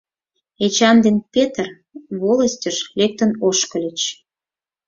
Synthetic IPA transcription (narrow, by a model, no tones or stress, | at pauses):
et͡ɕɑnd̪enpʲet̪ər | βoləsʲtʲəʃlek̚t̪ənoʃkəlʲət͡ɕ